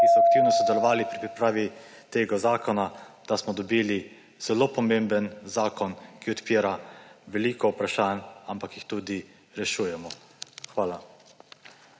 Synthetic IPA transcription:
kisɔak̚t̪iːwnɔsɔd̪ɛlɔʋaːlipɾipɾipɾaːʋit̪eːɡazaːkɔnad̪̥asmɔd̪ɔbiːli | z̥ɛloːpɔmembənzaːkɔnkiɔt̪piːɾaʋɛliːkɔwpɾaʃaːnampakjixt̪uːd̪i | ɾɛʃuːjɛmɔ | xʋaːla

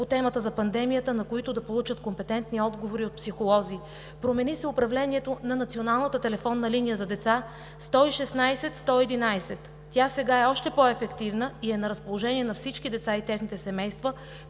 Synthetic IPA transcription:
pot̪ɛmət̪əzɐpɐnd̪ɛmijət̪ənɐkoit̪ʊd̪ɐpolˠut͡ʃət̪kompɛt̪ɛnt̪niɔd̪ɡovoɾiot̪̚psixolˠɔziː | pɾomɛnisɛʊpɾɐvlɛniɛt̪onɐnɐt̪sionalˠnət̪ət̪ɛlɛfɔnːəlinijəzɐd̪ɛt̪sa | st̪ɔiʃɛsnajsɛt̪st̪ɔɛd̪inajsɛt̪ːʲjasɛɡaɛɔʃt̪ɛpɔɛfɛkt̪ivnəiɛnɐɾɐspolˠoʒɛniɛnɐfsit͡ʃkid̪ɛt̪sait̪ɛxnit̪ɛsɛmɛjst̪və

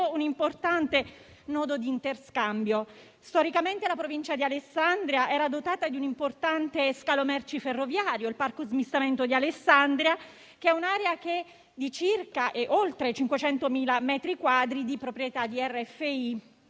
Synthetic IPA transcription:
ounimport̪ant̪e | nɔːd̪od̪iːnt̪erskambjo | st̪ɔɾikament̪elapɾovint͡ʃad̪ialesːand̪ɾjaʔɛːɾad̪ot̪aːt̪ad̪iunimport̪ant̪eskalomɛrt͡ʃiferːovjaːɾjoilparkozmist̪ament̪od̪ialesːand̪ɾja | keɛunaːɾeak̟e | d̪it͡ʃirkaʔeʔolt̪ɾet͡ʃiŋkwet͡ʃɛnt̪omiːlamɛːt̪ɾikwaːd̪ɾid̪ipɾopɾijet̪ad̪iɛrːɛfːei

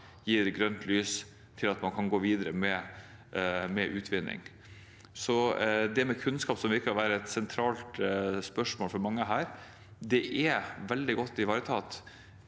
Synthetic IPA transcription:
jiːɛt̪ɡɾœnt̪ʰlyːs | t̪ʰɪlɑt̪mɑnkʰɑnɡoːʋiːd̪ɾəmɛ | mɛʔʉːt̪ʰʋɪnːɪ̰ŋ | sɔd̪ɛmɛkʰʉnskɑːpsɔmʋɪɾkəɾɔʋæːɾəɛt̪sɛnt̪ʰɾɑːlt̪spœʂmoːlfɔɾmɑŋːəɦæːɾ | d̪ɛʔɛʋɛld̪ɪɡɔt̪ːɪʋɑːɾət̪ʰɑːt̪

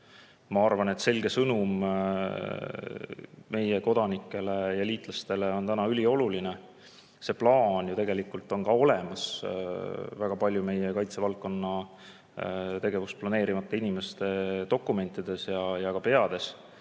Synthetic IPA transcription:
mɑɑrvɑne̞t̪se̞lɡe̞sɤnum | me̞jeko̞d̪̥ɑnikːˑe̞le̞jɑliːt̪ˑlɑst̪e̞le̞o̞nt̪ænɑylʲio̞luline̞ | se̞plɑːnjut̪e̞ɡ̥e̞likult̪ːˑo̞nkɑo̞lemɑs | væɡ̥ɑpɑlʲjume̞jekɑjt̪se̞vɑlkːˑo̞nːɑ | t̪e̞ɡe̞vusplɑne̞ːɾimɑt̪ˑːeinime̞st̪e̞t̪o̞kːˑume̞nʲt̪ːˑid̪̥e̞sjɑjɑkɑpe̞ɑd̪̥e̞s

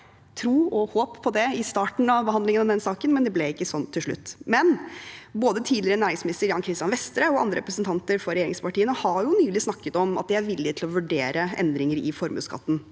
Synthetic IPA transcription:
t̪ʰɾuːɔhoːpʰːɔd̪ɛɪst̪ɑːʈɳ̩ɑʋbəhɑnd̪lɪŋənɑʋd̪ɛnsɑːkənmɛnd̪ɛblɛɪkːəsɔnt̪ʰːɪlʂɭʉ̰t̪ːmɛnboːd̪ət̪ʰiːdlɪɾənæːɾɪŋsmɪnɪst̪əɾjɑːnkʰɾɪst̪jɑnʋɛst̪ɾəɔɑ̰nd̪ɾəɾɛpɾəsn̩t̪ʰɑnt̪əɾfɔɾɛjeːɾɪ̰ŋspʰɑʈiːənəhɑɾjʊnyːlɪsnɑkːət̪ɔmɑt̪̚d̪ɛæɾʋɪlːɪt̪ʰɪlɔʋʉɖeːɾʔəʔɛ̰nd̪ɾɪŋəɾɪfɔɾmʉ̰ːskɑ̰t̪ːn̩

